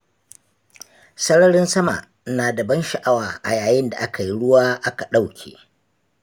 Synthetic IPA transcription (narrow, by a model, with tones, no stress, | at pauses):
sɐ˦ɽɐ˦ɽɪ˦nsɐ˦ma̰˨ʔ | naː˨da˨bɐ˦nʃa˨ʔa˦waː˨ʔa̰˨jaː˨jɪ˦nda˨ʔa˦ka˨ji˦ɽʊ˦waː˦ʔa˦ka˨ɗa˦˨wkʲʰḛː˨